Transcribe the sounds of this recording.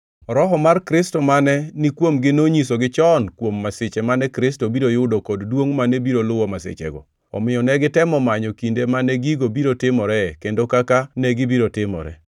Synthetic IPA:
ɔɾɔɦɔmarkɾɪstomanɛnɪkwomɡɪnoɲisoɡɪt͡ʃɔnkwomːaset͡ʃɛmanɛkɾɪstobiɾojʊdokoddwoŋmanɛbiɾolʊwɔmasḛt͡ʃɛ̰ɡɔ̰ | ɔ̰mɪjɔnɛɡɪtɛmɔmaɲɔkindemanɛɡiɡobiɾotɪmɔɾɛkendokakanɛɡɪbiɾotɪmɔ̰ɾɛ̰

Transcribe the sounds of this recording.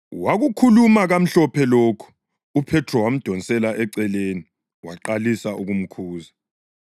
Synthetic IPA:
waɣukʰulumaɣam̩ɬɔpʰɛloːkʰu̥ | upʰɛtʰrɔwam̩d̥ʱɔnsʼɛlaʔɛǀɛleːni | waǃalisaʔuɣum̩kʰuːza

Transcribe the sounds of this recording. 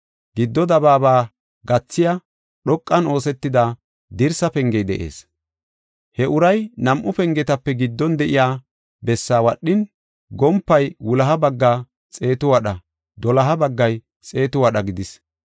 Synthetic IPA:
ɡ̥ɪd̪ːɔd̪ɐbaːbaː | ɡɐt͡sːɪja | ɗɔkʼːɐno̞ːsɛt̪ːɪd̪aː | d̪ɪɾsɐpɛŋɡɛjd̪ɛ̰ʔe̞̰ːs | hɛʔʊɾɐjnɐmʔʊpɛŋɡɛt̪ɐpːɛɡɪd̪ːɔnd̪ɛʔɪjaː | bɛsːaːwɐɗːɪn | ɡɔmpːɐjwʊlɐɦɐbɐɡːaː | t͡sʼe̞ːt̪ʊwɐɗɐ | d̪ɔlɐɦɐbɐɡːɐj | t͡sʼe̞ːt̪ʊwɐɗɐɡɪd̪ɪs

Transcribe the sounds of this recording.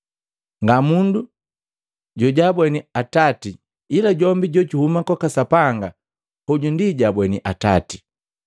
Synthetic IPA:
ŋɡamundu | ɟɔɟabwɛniatati | ilaɟɔmbiɟɔɟuhumakɔkasapaŋɡa | huɟundiɟabwɛniʔata̰ti̥

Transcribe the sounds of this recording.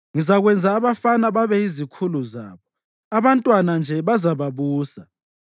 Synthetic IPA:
ŋizaɣwɛnd͡zʱaːβafanaβaβɛizikʰuluza̰ːβɔ | aβantʼwanand͡ʒʱɛβazaβaβuːsa

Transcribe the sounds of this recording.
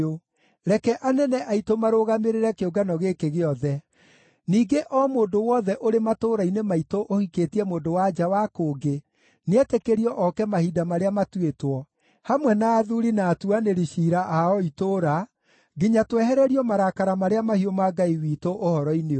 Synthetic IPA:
o | ɾɛkɛʔanɛnɛʔaitomaɾoɣameɾeɾɛkeoɡanɔɣekeɣeɔðɛ | niːɡeʔɔmoːndowɔðɛʔoɾematoːɾainemaitoʔohikeːtiɛmoːndowad͡ʒawakoːɡe | neɛtekeɾiɔʔɔkɛmahidamaɾeamatuetwɔ | hamwɛnaːðuɾinaːtuaneɾiɕiːɾaʔaɔitoɾa | ɡiɲatwɛɦɛɾɛɾiɔmaɾakaɾamaɾeamahiomaɡaiwiːtoʔohɔɾɔineo

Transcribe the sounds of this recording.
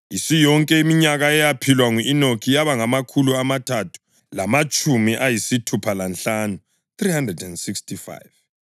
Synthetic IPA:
isijɔŋkʼɛimiɲaɣaɛjapʰilwaŋuʔinokʰijaβaŋamakʰuluamatʰatʰu̥ | lamat͡ʃʼumiʔajisitʰupʰalanɬanu | θrihandrɛdɛndsikstʰifa̰jv

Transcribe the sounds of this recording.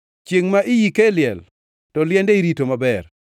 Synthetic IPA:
t͡ʃeŋmaʔɪjikeljɛ̰l | tɔljɛndeiɾitomabɛr

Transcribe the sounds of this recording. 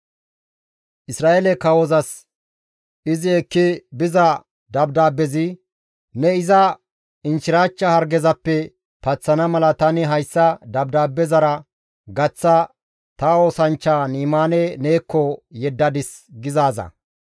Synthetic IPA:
ʔɪsɾaːʔelɛkɐwɔzɐs | ɪzɪɛkːɪbɪzɐ | d̪ɐbd̪aːbːɛzɪ | nɛɪzɐ | ɪnʃɪɾaːt͡ʃːɐhɐɾɡɛzɐpːɛ | pɐt͡sːɐnɐmɐlɐt̪ɐnɪɦɐjsːɐd̪ɐbd̪aːbːɛzɐɾɐ | ɡɐt͡sːɐ | t̪ɐoːsɐnt͡ʃːaːniːmaːnɛne̞ːkːɔjɛd̪ːɐd̪ɪs | ɡɪzaːzɐ̰

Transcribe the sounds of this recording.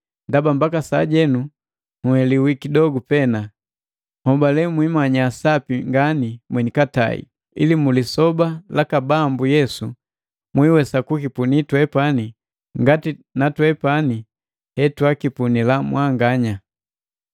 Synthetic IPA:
ndabambakasaɟɛnu | huhɛliwikidɔɡupɛna | hɔbalɛmwimaɲaːsapiŋɡanimwɛɲikata̰ḭ | ḭlimulisɔbalakabambujɛsu | mwiwɛsakukipunitwɛpani | ŋɡatinatwɛpani | hɛtwakipunilamwʔaŋɡaɲa

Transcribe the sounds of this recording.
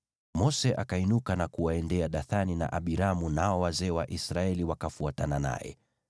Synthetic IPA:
mɔsɛʔakainukanakuwaɛndɛaɗaθanina̰ʔaɓiɾamunaɔwazɛːwaʔisɾaɛliwakafuatanana̰jɛ̰

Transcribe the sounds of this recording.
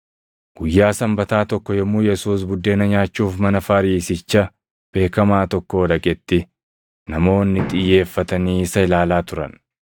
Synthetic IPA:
ɡ̥ʊjːaːsɐmbɐt̪aːt̪ɔkːɔjɔmːuːjɛsuːs̬bʊd̪ːe̞ːnɐɲaːt͡ʃːuːfmɐnɐfɐɾiːsɪt͡ʃːɐ | b̥e̞ːkɐmaːt̪ɔkːoːd̪ɐkʼɛt̪ːɪ | nɐmo̞ːnːɪt̪ʼɪjːe̞ːfːɐt̪ɐniːsɐɪlaːlaːt̪ʊɾɐ̰n

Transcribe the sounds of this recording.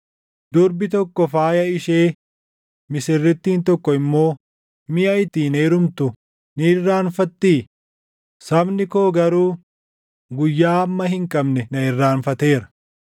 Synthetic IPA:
d̪̥ʊɾbɪt̪ɔkːɔfaːjɐɪʃeː | mɪsɪrːɪt̪ːiːnt̪ɔkːɔɪmːo̞ː | mɪʔɐɪt̪iːneːɾʊmt̪ʊ | nɪɪrːaːnfɐt̪ːiː | sɐbnɪko̞ːɡɐɾuː | ɡʊjːaːɐmːɐɦɪŋkʼɐbnɛnɐɪrːaːnfɐt̪e̞ːɾɐ̥

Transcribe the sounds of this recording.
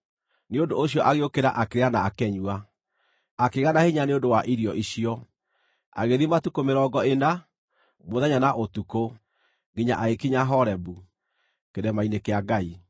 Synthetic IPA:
neondoːɕ̬jɔʔaɣeokeɾa̰ʔakeɾeanaːkɛɲua | akeɣanaheɲaneondowaʔiɾijɔʔiɕiɔ | a̰ɣeðimatukomeɾɔːɡɔena | moðɛɲanaʔotuko | ɡiɲa̰ʔaekiɲaɦɔɾɛbu | keɾɛmainekeaɡai

